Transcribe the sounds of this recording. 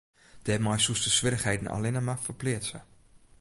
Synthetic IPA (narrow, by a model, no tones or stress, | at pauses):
d̥əɛmajsustəsʋɪrəχhejdən̩a̰lɪnəmafərplɪətsə